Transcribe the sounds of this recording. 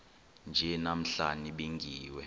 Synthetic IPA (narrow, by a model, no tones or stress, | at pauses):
nd͡ʒʱɛnam̩ɬaniɓiŋɡʱiːwɛ